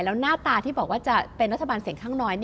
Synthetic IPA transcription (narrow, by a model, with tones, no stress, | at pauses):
lɛː˦˥wnaː˥˩t̪aː˧t̪ʰiː˥˩bɔː˨˩k̚waː˥˩t͡ɕa˨˩pe˧nɾa˦˥t̪ʰːa˧baː˧nsi˨˩˦əŋkʰaː˥˩ŋnɔː˦˥jni˥